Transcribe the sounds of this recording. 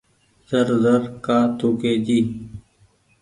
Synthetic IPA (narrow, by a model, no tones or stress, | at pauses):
zəɾzəɾkaːt̪ʰuːkeːd͡ʑiː